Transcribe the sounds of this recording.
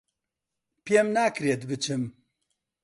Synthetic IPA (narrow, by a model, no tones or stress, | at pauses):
pjemnaːkɾet̪bɨt͡ʃʰɨm